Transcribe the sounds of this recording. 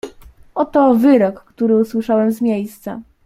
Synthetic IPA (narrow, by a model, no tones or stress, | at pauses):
ɔt̪ɔvɘɾɔkːt̪uɾɘuswɘʂawɛmzmʲjejst̪sa̰